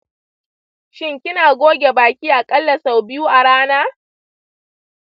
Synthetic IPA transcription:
ʃɪ˦ŋkʲɪ˦naː˨ɡʷoː˦ɡʲe˨baː˨kʲiː˦ʔa˨kʼɐ˦lːɐ˨sa˨wbɪ˦ju˦ʔa˨ɽaː˦naː˦

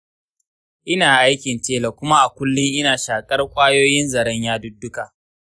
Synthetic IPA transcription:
ʔɪ˦naː˨ʔa˦jkʲɪ˨nt͡ʃeː˦lɐ˨kʷʊ˦ma˦ʔa˨kʷʊ˦lːʊ˦ŋʔɪ˦naː˨ʃaː˨kʼɐ˦rkʷʼaː˦joː˦jɪ˦nzɐ˨ɾɐ˦ɲjaː˦dʊ˦dːʊ˦ka˨ʔ

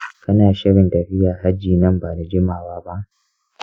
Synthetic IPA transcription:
kɐ˦naː˨ʃɪ˦ɽɪ˨ntɐ˨ɸɪ˦jaː˨ɦa˦d͡ʒːiː˨nɐ˦mbaː˨na˨d͡ʒɪ˦maː˨waː˦ba˦ʔ

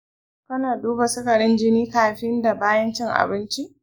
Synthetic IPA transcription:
kɐ˦naː˨duː˦ba˨sʊ˦kɐ˨ɽɪ˦nd͡ʒɪ˦niː˦kaː˨ɸɪ˦nda˨baː˦jɐ˦nt͡ʃɪ˦ŋʔa̰˨bɪ˦nt͡ʃi˦ʔ

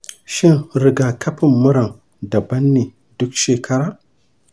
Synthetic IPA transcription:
ʃi˦nɾi˨ɡa˨kʰa˦pi˦˨mːu˦ɾa˨ŋ | da˨ba˦nːi˨ | dʊ˦kʃe˨kʰa˦ɾa˨

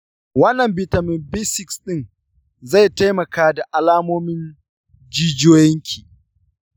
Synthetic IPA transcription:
wɐ˦nːɐ˨mbɪ˨tɐ˨mɪ˨mbɪ˦sɪ˨ksɗɪ˦n | za˦˨jta˦jmɐ˨kaː˦da˨ʔa˨laː˦moː˦mɪ˦n | d͡ʒiː˦d͡ʒoː˦jɛ˦ŋkʲʰiː˨

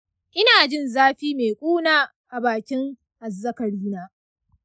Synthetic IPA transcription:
ʔɪ˦naː˨d͡ʒɪ˦˨nzaː˦ɸiː˦meː˨kʷʼuː˦naː˦ | ʔa˨baː˨kʲɪ˦ŋ | ʔa˨zːɐ˦kɐ˨ɾiː˦naː˦

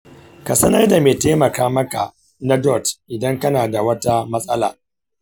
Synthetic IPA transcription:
ka˨sɐ˦nɐ˦rda˨meː˨teː˦mɐ˨kaː˦mɐ˦ka̰˨ | na˦dɔ˦˨tʔɪ˨dɐ˦ŋkɐ˦naː˨da˨wɐ˦ta˦mɐ˦sʼɐ˦la̰ː˨

